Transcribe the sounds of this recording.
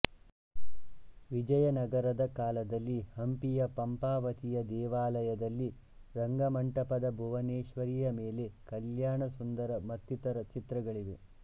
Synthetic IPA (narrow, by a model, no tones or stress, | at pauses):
ʋid͡ʒɐjɐnɐɡɐɾɐd̪ɐkaːlɐd̪ɐlːihɐmpijɐpɐmpaːʋɐt̪ijɐd̪ɛːʋaːlɐjɐd̪ɐlːi | ɾɐŋɡɐmɐɳʈɐpɐd̪ɐbʱuʋɐneːʃʋɐɾijɐmeːle̞kɐljaːɳɐsund̪ɐɾɐmɐt̪jut̪ɐɾɐt͡ʃit̪ɾɐɡɐɭiʋe